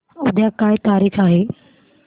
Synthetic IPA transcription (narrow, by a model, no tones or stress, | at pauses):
ʊd̪ʱjakaːit̪aːɾiːxʰaːɦeː